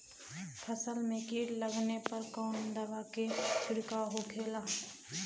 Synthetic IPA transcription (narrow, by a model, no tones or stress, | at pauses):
pʰɐsəlmẽkiːɾləɡnepɐɾkɔːnd̪ɐʋaket͡ʃʰʊɽkaɦokʰeːlaː